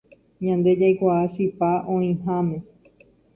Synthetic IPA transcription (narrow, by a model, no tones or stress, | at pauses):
ɲãnd̪e̞d͡ʒajkʷaːʃipaʔõĩɦãmẽ̞